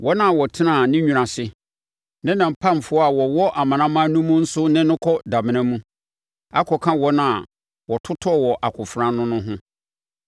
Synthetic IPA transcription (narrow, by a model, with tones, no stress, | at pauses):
wɔ˦nã˦˨wɔ˨tʰɪ˦nã˨nɪ̃˦ɲᶣũ˨ɾã˨sɪ˦ | nɪ̃˦nã˨m̩˨pʰã˦m˨fʊ˦ɔ˦a˨wɔ˨wɔ˦ʔa˨mã˨nã˦mã˦nũ˦mũ˦n̩˦sʊ˦nɪ̃˦nʊ̃˦kʰɔ˦da˨mɪ̃˨nã˦mũ˦ | a˦kʰɔ˨kʰã˦wɔ˦nã˦˨a˨ | wɔ˨tʰʊ˦tʰɔ˦˨wɔ˨ʔa˨kʰʊ˨fɾã˦nʊ̃˦nʊ̃˦ɦʊ̃˦